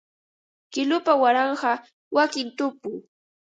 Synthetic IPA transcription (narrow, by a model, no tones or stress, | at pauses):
kɪlʊpawaɾɑɴɢɑ | wakɪnt̪ʊpʊ